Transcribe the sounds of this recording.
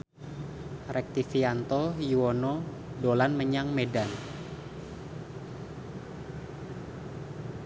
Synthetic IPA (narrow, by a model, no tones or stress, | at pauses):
rʔɛk̚t̪ifiant̪ɔjuonɔ | dolanməɲaŋmedan